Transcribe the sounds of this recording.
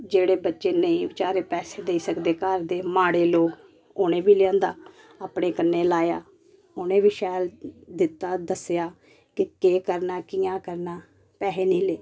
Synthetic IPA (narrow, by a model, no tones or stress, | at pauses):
d͡ʒeːɽeːbətːʃeːnəĩːʋɪt͡ʃaːɾeːpɛːseːd̪eiːsəkd̪eːkəɾd̪eːmaːɽeːloːk | ʊnẽːbiːlɪãːnd̪a̰ː | aːpɽeːkənːeːlaːja̰ː | ʊnẽːʋiːʃɛːld̪ɪt̪ːaːd̪əsjaː | kɪkeːkəɾnaːkĩːãːkəɾnaː | pɛːɦeːnĩːleː